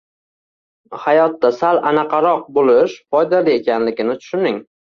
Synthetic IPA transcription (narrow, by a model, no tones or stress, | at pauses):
hajɒt̪ːasalanaqʰɑɾɒq̚bolɪʃfɒjd̪alie̞kʲanlɪɡʲɪnɪt̪ʰʊ̥ʃʊnɪŋ